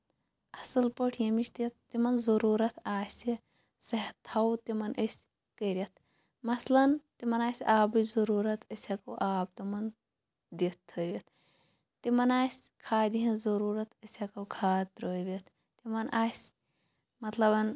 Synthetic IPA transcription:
ɐsɐlpəʈʰjɐmiʃt̪it̪ːimɐnzɐɾuːɾɐt̪ʰaːsʲi | sɐɦɐt̪ʰːɐwt̪imɐnʔəsʲ | kəɾʲɐt̪̚ʰ | mɐslɐnt̪imɐnaːsʲaːbɨzɐɾuːɾɐt̪ʰəsʲɐkoʔaːb̚t̪imɐn | d̪it̪t̪ʰːəʋet̪ʰː | imɐnaːsʲ | kʰaːd̪iɦɐ̃nzɐɾuːɾɐt̪ʰəsʲɐkɐkʰaːt̪ɾoːjʋet̪ʰ | t̪imɐnʔaːsʲ | mɐt̪lɐbɐn

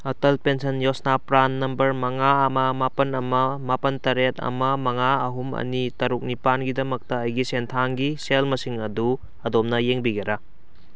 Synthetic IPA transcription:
otɐlpensɐnjosnapɾanːɐmbɐɾmɐŋaɐmɐmapɐnɐmɐmapɐntɐɾet̚ɐ̰mɐmɐŋaɐɦumɐ̰nitɐɾuk̚nipanɡidɐmɐk̚tɐːjɡisentʰaŋɡiselmɐsiŋɐdu | ɐdom̚nɐjeŋbiɡɐɾa

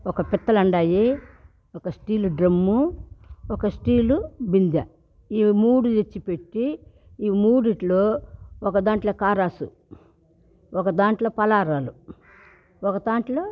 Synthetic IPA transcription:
ɔkɐpit̪ːɐlɐɳɖaːje | ɔkɐsʈiːluɖɾɐmːu | ɔkɐsʈiːlubind̪jɐ | iːmuːɽud͡ʒet͡ʃːipeʈːi | iːmuːɽiʈloːɔkɐd̪aːɳʈloːkaːɾaːsṵ | ɔkɐd̪aːɳʈloːpɐlaːɾaːlu | ɔkɐd̪aːɳʈlo̞ː

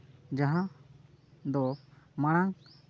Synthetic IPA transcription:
d͡ʒaɦã | d̪ɔmaɽ̃aŋ

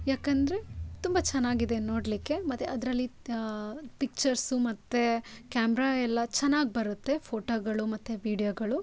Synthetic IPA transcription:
jaːkɐnd̪ɐɾe̞t̪umbɐt͡ʃɛnːaːɡid̪e̞nnːo̞ːɽlikːe̞mɐt̪ːeɐd̪ɾɐlːi | pik̚t͡ʃɐɾsumɐt̪ːekaːmɛɾaːɛlːɐt͡ʃɛnːaːɡ̚bɐɾut̪ːe̞pʰoːʈoːɡɐɭumɐt̪ːeʋiːɖijoːɡɐɭu

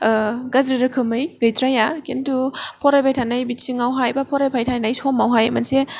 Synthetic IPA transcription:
ɡazɾiɾɯkʰɯmɯjɡɯjtɾajakentupʰɔɾajpʰajtʰanajbit͡ʃiŋawɦajbapʰɔɾajpʰajtʰanajsomawɦajɐmɐ̰nse

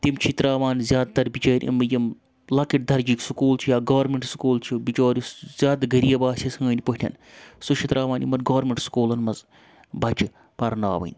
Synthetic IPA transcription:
t̪imt͡ʃʰit̪ɾaːʋaːnzʲjaːd̪̚t̪ɐɾbit͡ʃoːɾʲʔḭmɨjɐm | lɐkiʈ̚d̪ɐɾd͡ʒiksukuːlt͡ʃʰijaːɡɐːɾmʲeɳʈsu̥kuːlt͡ʃʰibit͡ʃoːɾʲisz̥ʲjaːd̪ɡɐɾijɐbaːsʲisɐŋɡɐːnʲipɐʈʲʰɐ̰n | suʃʰit̪ɾaːʋaːnḭmɐnɡɐːɾmʲeɳʈskuːlɐnmɐz | bɐt͡ʃi | pɐɾna̰ːʋɐ̰nʲ

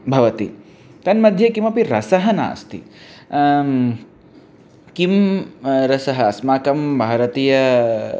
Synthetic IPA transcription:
bʱɐʋɐt̪ḭ | t̪ɐnmɐd̪ʱjɐkimɐpiɾɐsɐɦɐna̰ːst̪ḭ | kim | ɾɐsɐɦɐɐsmaːkɐmbʱaːɾɐt̪iːjɐ

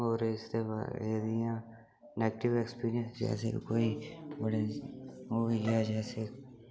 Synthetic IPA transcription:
ɔːɾɪst̪eb̰ed̪ijã | neːɡəʈɪʋekspiːɾijə̃nsd͡ʒɛ̰ːsḛkoːibəɽemuʋiɛd͡ʒɛːse

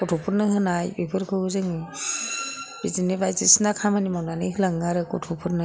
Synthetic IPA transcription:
kɔtʰɔpʰɯɾnɯɦɯnajbepʰɯɾkʰɯɯzɯŋɯ | b̥izinebajzisnakʰamanimawnanɯjɦɯlaŋaɾɯkɔtʰɔpʰɯɾnɯ

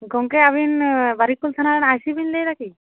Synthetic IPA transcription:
ɡɔŋkeaβinbaɾikːult̪ʰanaɾɛnajsibinlejɾakʰi

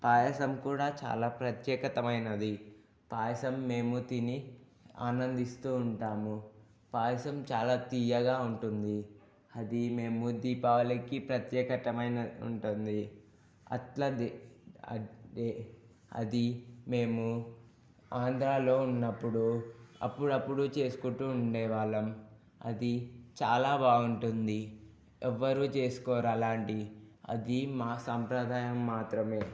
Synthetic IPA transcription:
paːjɐsɐmkuːɽaːt͡ʃa̰ːlaːpɾɐt̪jɛːkɐt̪ɐmɐjnɐd̪i | paːjɐsɐmːe̞ːmut̪iːni | aːnɐnd̪ist̪uːɳʈaːmu | paːjɐsɐmt͡ʃaːlaːt̪iːjɐɡaːuɳʈund̪i | ɐd̪ime̞ːmud̪iːpɐʋɐlɐkːipɾɐt̪jɛːkɐt̪ɐmɐjnɐṵɳʈund̪i | ɐ̰tlɐd̪ɐ̰e | ɐ̰d̪ime̞ːmu | aːnd̪ɾaːlo̞ːunːɐpːuɽuɐ̰pːuɽɐpːuɽut͡ʃe̞ːsu̥kuɳʈːuːɳɖɛːʋaːɭɐm | ɐ̰d̪it͡ʃaːlaːbaːuɳʈund̪i | ɛʋːɐɾuːt͡ʃe̞ːsu̥kɔːɾaːlaːɳʈiɐ̰d̪imaːsɐmpɾɐd̪ʱaːjɐmːaːt̪ɾɐme̞ː

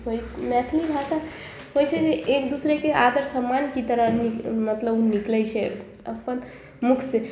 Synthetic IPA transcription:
ɦojʰmɛt̪ʰlibʱaʃa | ɦojt͡ʃʰɛd͡ʒeekd̪usɾekead̪əɾsəmːankit̪əɾənimət̪ləbniklɛjt͡ʃʰɛ | əpən | mukʰse

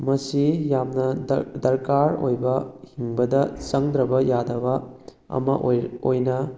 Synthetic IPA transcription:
mɐsijamnɐdɐɾkaɾo̰jbɐhiŋbɐdɐt͡ʃɐŋdɾɐbɐjadɐbɐ | ɐ̰mɐʔojnɐ

